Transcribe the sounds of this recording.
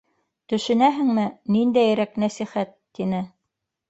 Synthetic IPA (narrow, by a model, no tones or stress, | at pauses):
t̪ɵ̆ʃɘ̆næɦɘ̆ŋmɘnind̪æjɾæknæsiχæt̪ːinɘ